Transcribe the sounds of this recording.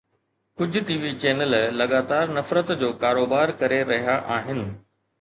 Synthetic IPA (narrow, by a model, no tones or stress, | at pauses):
kʊd͡ʑʱʊ̆ʈiːʋit͡ɕɛːnəllɐɠaːt̪aːɾnɐfɾət̪d͡ʑoːkaːɾoːbaːɾkɐɾeɾɐɦijaʔaːɦɪnɪ̆